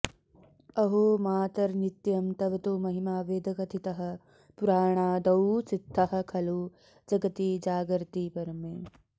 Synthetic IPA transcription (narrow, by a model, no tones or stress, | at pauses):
ɐɦoːmaːt̪ɐɾnit̪jɐmt̪ɐʋɐt̪uːmɐɦimaːʋeːd̪ʱɐkɐt̪ʰit̪ɐɦɐ̆ | puɾaːɳaːd̪ɐwt͡sit̪ʰːɐɦɐ̆kʰɐluː | d͡ʒɐɡɐt̪iːd͡ʒaːɡɾt̪iːpɐɾɐmeː